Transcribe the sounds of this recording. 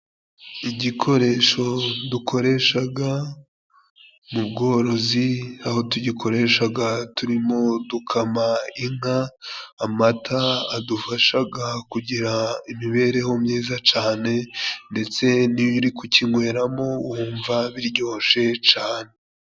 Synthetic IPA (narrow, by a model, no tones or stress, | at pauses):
iɟikʰo̞ɾe̞ʃo̞dukʰo̞ɾe̞ʃaɡa | mubɡo̞ːɾo̞ziaho̞tuɟikʰo̞ɾe̞ʃaɡatuɾimo̞dukʰamaiŋaː | matʰaadufaʃaɡakuɟiɾaimiβe̞ɾe̞ho̞mɲiːzat͡ʃaːne̞nde̞t͡se̞niβjuɾikuciŋwe̞ːɾamo̞wuːɱvaβiɾɟo̞ːʃe̞t͡ʃaːne